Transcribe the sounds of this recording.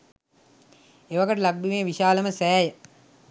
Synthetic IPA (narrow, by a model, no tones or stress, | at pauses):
eʋaɡəʈəlaɡ̚bimeːʋiʃaːləməsæːjə